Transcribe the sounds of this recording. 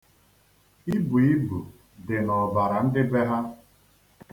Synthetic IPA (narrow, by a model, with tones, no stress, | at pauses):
i˦bu˨i˦bu˨ | dɪ˨nɔ˨ba˨ɾa˨n̩˦dɪ˦be˦ɦa˦